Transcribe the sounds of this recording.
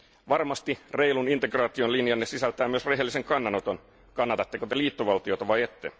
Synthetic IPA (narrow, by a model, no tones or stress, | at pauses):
ʋɑrmɑst̪ire̞ilunint̪e̞ɡrɑːt̪io̞nlinjɑnːesisælt̪æːmyøsre̞ɦelːise̞ŋkɑnːɑnot̪o̞n | kɑnːɑt̪ɑt̪ːekot̪e̞liːt̪ːoʋɑlt̪io̞t̪ɑʋɑjet̪ːḛ